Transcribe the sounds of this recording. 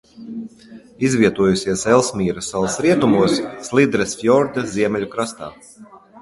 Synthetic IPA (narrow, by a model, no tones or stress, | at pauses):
izvʲiɛt̪uɔjusʲiɛsɛlˠsmʲiːɾɨsalˠsɾiɛt̪umuɔsːlˠid̪ɾɛsfjɔɾd̪azʲiɛmʲɛlʲukɾast̪a̰ː